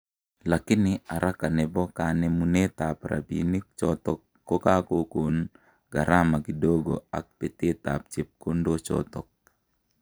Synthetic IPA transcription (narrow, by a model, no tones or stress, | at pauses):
lakɪnɪaɾʔakanɛbɔkanɛmunet̪apɾʔa̰bḭnik̚t͡ʃɔt̪ɔkːokakokon | ɡ̥a̰ɾamakidoɡo̰a̰k̚pɛt̪et̪a̰p̚t͡ʃɪp̚kondot͡ʃɔ̰t̪ɔk̚